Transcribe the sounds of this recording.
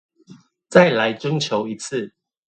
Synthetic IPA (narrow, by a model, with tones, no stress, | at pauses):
t͡sa˥˨ɪla˨˦ɪʈ͡ʂə˦ŋt͡ɕʰjo˨˦ʊi˨˦t͡s̩ʰ˥˨